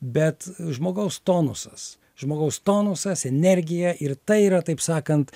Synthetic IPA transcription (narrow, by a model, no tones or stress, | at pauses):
bʲɛt̪ʒmoːɡɐʊst̪oːnʊsɐs | ʒmoːɡɐʊst̪oːnʊsɐsɛnʲɛɾʲɡʲɪjɛʔɪrt̪ɐɪiːɾɐt̪ɐɪpsɑːkɐnt̪